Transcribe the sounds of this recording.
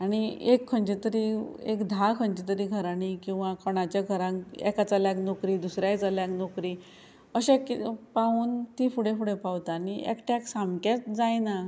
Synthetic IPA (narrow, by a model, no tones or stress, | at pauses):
aɽ̃iekʰːəɳt͡ɕet̪əɾiḛkd̪ʱakʰəɲt͡ɕet̪əɾiːɡʱəɾanikĩw̃ʋakʰɔɽ̃at͡ɕjaɡʱəɾãŋɛ̰kat͡saljaknokɾiːd̪usɾjajt͡saljaknokɾiː | əɕɛkpauːnt̪ifuɽẽfuɽepawt̪aniɛ̰kʈɛksamkat͡sd͡zajna